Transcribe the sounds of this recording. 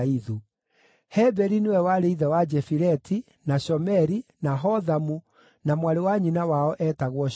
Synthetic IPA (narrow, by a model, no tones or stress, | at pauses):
iðu | hɛbɛɾinewɛwaɾeiðɛwad͡ʒɛfiɾɛtʰi | naʃɔmɛɾinaɦɔðamu | namwaɾewaɲinawaɔʔɛtaɣwɔ